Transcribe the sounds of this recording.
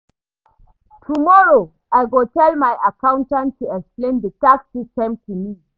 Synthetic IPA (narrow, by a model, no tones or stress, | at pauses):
tʰumɔɹo | ajɡotɛlmajʔakãʊ̃ntãntːuɛksplẽndətaksistɛ̃mtʰumi